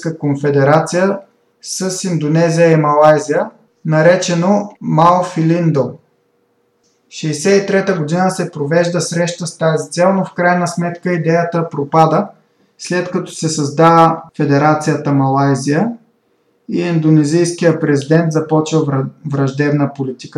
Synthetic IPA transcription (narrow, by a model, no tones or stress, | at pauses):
kəkonfɛd̪ɛɾat̪sijə | səsind̪onɛzijəimɐlˠajzijə | nɐɾɛt͡ʃɛnomalˠfilind̪o | ʃɛsɛit̪ɾɛt̪əɡod̪inəsɛpɾovɛʒd̪əsɾɛʃt̪əst̪azit̪sɛlˠnofkɾajnəsmɛt̪kəid̪ɛjət̪əpɾopad̪ə | slɛt̪kɐt̪ɔ̥sɛsɐzd̪avəfɛd̪ɛɾat̪sijət̪əmɐlˠajzijə | iɛnd̪onɛzijsk̟ijəpɾɛzid̪ɛnt̪zɐpɔt͡ʃvəvvɾɐʒd̪ɛbnəpolit̪i̥kə